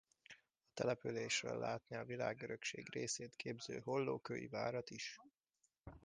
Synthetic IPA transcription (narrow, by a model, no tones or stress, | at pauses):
ɒt̪ɛlɛpyleːʃrø̰lːaːt̪niɒvila̰ːɡøɾøkʃeːɡreːseːt̪kʰeːbzøːɦo̞lːoːkøjḭvaːɾɒt̪iʃ